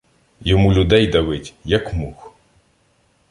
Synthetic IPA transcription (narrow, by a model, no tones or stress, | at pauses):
jɔmulʲʊd̪ɛjd̪ɐʋɪtʲjɐkmux